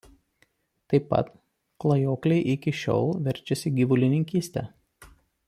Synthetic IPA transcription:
t̪ɐɪpːɐ̰t̪ | klˠɐjoːklʲɛɪʔɪkʲɪʃʲo̰ːlˠʋʲɛɾʲˑt͡ʃʲɛsʲɪɡʲiʋʊlʲɪnʲɪŋʲkʲiːsʲt̪ʲɛ̰ː

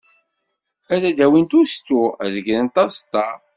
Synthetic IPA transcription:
æɾæd̪æwint̪ust̪uæ̰ðəʝɾənt̪ɑst̪ːɑ

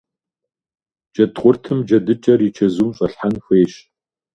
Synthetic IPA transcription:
d͡ʒʼɐtχʷʊrtʰɨmd͡ʒɐdɨt͡ʃʼɐrit͡ʃʰɐzuːmɕʼɐɬħanxʷeːɕ

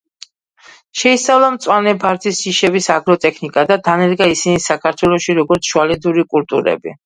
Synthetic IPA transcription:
ʃɛisavlˠamt̪sʼwanɛbaɾt̪ʰisiʃɛbisaɡɾɔt̪ʼɛkʰnikʼad̪ad̪anɛɾɡaisinisakʰaɾt̪ʰwɛlˠɔʃiɾɔɡɔɾt̪sʰʃualɛd̪uɾikʼult̪ʼuɾɛ̰bḭ

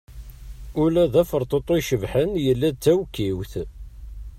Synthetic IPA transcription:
ʊlæðæfəɾˤt̪ˤot̪ˤːoʃəvħənjəlːæt͡sːæwkːiwθ

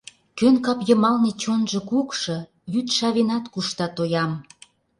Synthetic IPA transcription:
kønkɑpjə̆mɑlnet͡ɕonʒɤ̆kukʃɤ̆ | jyt̪ʃɑβenɑt̪kuʃt̪ɑt̪ojɑm

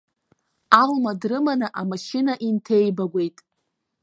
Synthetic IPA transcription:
almadrɨmanɨʔamaʃɪnaʔintʰe̞jbaɡʷe̞jtʼ

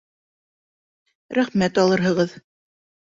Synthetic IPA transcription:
ɾæχmæt̪ɑlˠɤ̆ɾɦɤ̆ʁɤð

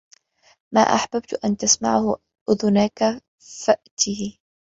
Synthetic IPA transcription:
ma̰ːʔa̰ħbab̚t̪ʔant̪asma̰ʕhʊ | ʔʊðʊnaka | faʔt̪ɪhɪ

